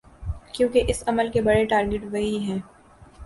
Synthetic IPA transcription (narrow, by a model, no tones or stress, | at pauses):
kjõːkeʔɪsɐməlkebɐɽeʈaːɾɡɪʈʋɐɦiɦɛ̃ː